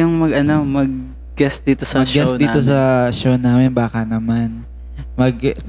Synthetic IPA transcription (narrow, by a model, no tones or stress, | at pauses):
ʊŋmɐɡɐnomɐɡ̚ | ɡɛsd̪iːt̪osɐmɐʃɡɡɛsd̪iːt̪os̬ɐʃownaːmɛnbaːkɐnɐman | mɐɡ